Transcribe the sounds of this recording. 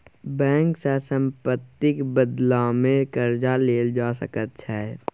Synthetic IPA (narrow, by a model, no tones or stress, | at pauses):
bɛ̃ːŋksasə̃mpət̪ːɪkbəd̪lamẽkəɾd͡ʒaleːld͡ʒaːsə̰kət̪t͡ʃʰɛ